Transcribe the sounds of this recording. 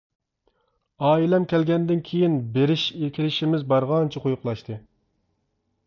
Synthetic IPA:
ɑːilɛmkʲɛlɡʲɛnd̪ɪnkʲʰejinbeɾɪʃekʲʰilɪʃimɪzbɑɾʁɑnt͡ʃʰiqʰojʊqlˠɑʃt̪ʰɨ

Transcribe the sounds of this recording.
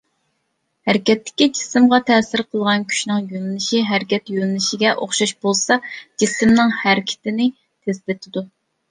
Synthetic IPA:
hæɾɪkʲɛt̪ːɪ̥kʲid͡ʒi̥sɪmʁɑt̪ʰɛːsɪɾqʰəlˠʁɑnkʲʰy̥ʃnɨŋjølɪnɪʃiɦæɾɪkʲɛt̪jølɪnɪʃɪɡʲɛʔoχʃɑʃb̥olˠsɑd͡ʒisɪmnɪŋhæɾɪkʲʰɪ̥t̪ɪnɪ | t̪ʰezlɪt̪ʰɪd̪u

